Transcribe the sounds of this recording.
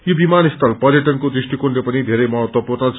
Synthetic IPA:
jobimanist̪ʰʌlpʌɾjʌʈʌnkod̪risʈikonlepʌnid̪ʱeɾʌjmʌɦʌt̪wʌpurnʌt͡sʰ

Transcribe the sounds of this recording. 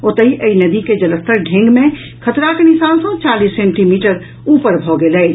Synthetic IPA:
ot̪əɦiʔəinɐd̪iked͡ʒɐləst̪əɾɖʱẽːŋɡmẽ | kʰət̪ɾakenɪsaːnsõt͡ʃaːliːsːẽːɳʈimiːʈəɾ | uːpəɾbʱɔɡelɛ

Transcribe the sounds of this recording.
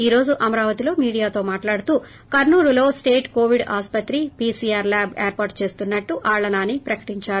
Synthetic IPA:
iːɾo̞ːd͡ʒuʔɐmɐɾaːʋɐt̪ilo̞ːmiːɽijaːt̪o̞ːmaːʈlaːɽut̪uː | kɐɾnuːɾulo̞ːsʈe̞ːʈko̞ːʋiɖaːspɐt̪ɾipiːsiːaːɾlaːbḛːɾpaːɾʈt͡ʃe̞ːst̪unːɐʈːuʔaːɭːɐnaːnipɾɐkɐ̥ʈiɲt͡ʃaːɾu

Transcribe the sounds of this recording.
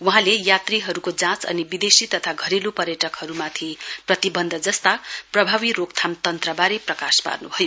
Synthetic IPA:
wuɦãlejat̪riɦʌɾukod͡zãt͡sʌ̰nibid̪esit̪ʌt̪ʰaɡʱʌɾilupʌɾjʌʈʌkhʌɾumat̪ʰiprʌt̪ibʌnd̪ʱʌd͡zʌst̪aprʌbʱaβiɾokt̪ʰamt̪ʌnt̪rʌbaɾeprʌkaspa̰rnubʱʌjo

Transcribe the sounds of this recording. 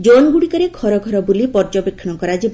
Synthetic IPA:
d͡ʒonɡuɽikɔɾeɡʱɔɾɔɡʱɔɾɔbulipɔɾd͡ʒɔpekʰːɔɽɔkɔɾad͡ʒib

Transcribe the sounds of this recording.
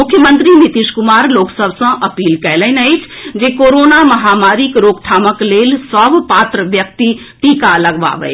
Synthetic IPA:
mʊkʰjəmə̃nt̪ɾinit̪iʃkʊmaːɾloːksəbʱsɐ̃ʔɐpiːlkɛɦləɪnəɪt͡ʃʰd͡ʒeːkoːɾoːnamɐɦaːmaːɾikɾoːkʈ̪ʰaːməkleːlsəbpaːt̪ɾəʋjəkt̪i | ʈ̪ikaləɡʋa̰ːʋə̰ɪ

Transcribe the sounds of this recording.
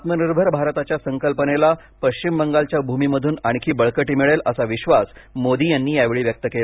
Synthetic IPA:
at̪məniɾbʱəɾbʱaɾt̪at͡ɕjasəŋkəlpənela | pəɕt͡ɕimbəŋɡalt͡ɕjabʱumiːməd̪ʱuːnaɽ̃ikʰiːbəɭkəʈiːmiɭeləsaʋiɕʋasmod̪iːjanːiːjaʋeɭiːʋjək̚t̪əkela

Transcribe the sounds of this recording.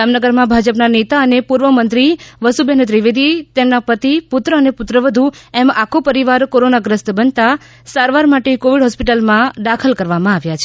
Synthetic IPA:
d͡ʒamnəɡəɾmãbʱad͡ʒəpnanet̪aənepuɾʋəmənt̪ɾiʋəsubent̪ɾiʋed̪it̪emnapət̪ipʊt̪ɾəənepʊt̪ɾəʋəd̪ʱuemakʰopəɾiʋaɾkoɾonaɡɾəst̪əbənt̪a | saɾʋaɾmaʈekoʋiɖɦɔspiʈəlmãd̪akʰəlkəɾʋamãaʋjat͡ʃʰe

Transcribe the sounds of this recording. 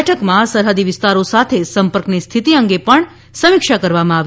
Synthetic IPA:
ʈʰəkmãsəɾɦəd̪iʋɪst̪aɾosat̪ʰesəmpəɾknist̪ʰit̪iəŋɡepəɳ | səmɪkʃakəɾʋamãaʋ

